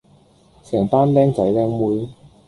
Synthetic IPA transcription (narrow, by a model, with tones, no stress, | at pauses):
sɛː˨˩ŋt̪aː˥nlɛː˥ŋt͡sɐ˨˥jlɛː˥ŋmuː˥j